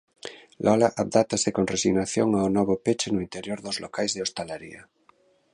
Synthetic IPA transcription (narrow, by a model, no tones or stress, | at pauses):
lʔɔlaʔaβd̪at̪asekonresiɣnaθjoŋaonɔβ̞opet͡ʃenoint̪eɾjoɾðozlokajzðeost̪alaɾḭa